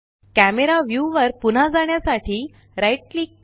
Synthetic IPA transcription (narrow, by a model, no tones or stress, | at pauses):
kæmeɾaʋjuʋəɾpun̤ad͡zaɳ̃jasaʈʰiː | ɾajʈ̚liːk